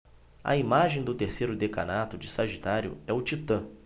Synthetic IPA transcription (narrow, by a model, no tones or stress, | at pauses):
ɐ̰imaʒẽj̃d̪ʊt̪eɾsejɾʊd̪eka̰nat̪ʊd͡ʒɪsaʒit̪aɾjʊ̰ɛʊt͡ʃit̪ɐ̃